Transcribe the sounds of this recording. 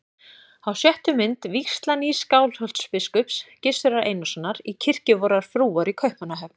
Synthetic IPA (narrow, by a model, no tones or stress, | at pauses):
awsjɛht̪ʏmɪnt̪vikst̪laniskaːwlhœlt̪spɪskœpscɪst̪ʏɾaɾʔeːjnɔsanːaɾicʰɪr̥cɪvɔɾaɾ̥fɾuːaɾikʰœɥhpmanaɦɛpn